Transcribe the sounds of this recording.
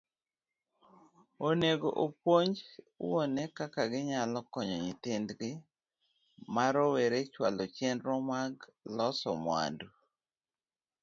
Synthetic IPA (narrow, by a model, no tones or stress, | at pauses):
oneɡoʔopoɲd͡ʒ | onɛkakaɡɪɲalɔkɔɲɔɲɪtɪndɡɪ | maɾoweɾet͡ʃwalɔt͡ʃɛndɾɔmaɡlɔsɔmwa̰ndu